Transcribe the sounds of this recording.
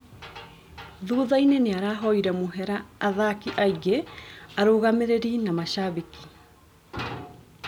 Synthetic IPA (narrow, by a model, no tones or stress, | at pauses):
ðuːðaineneaɾaːɦɔiɾɛmoɦɛɾaːðakiʔaiɣeaɾoːɣameɾeɾinamaʃaβiki̥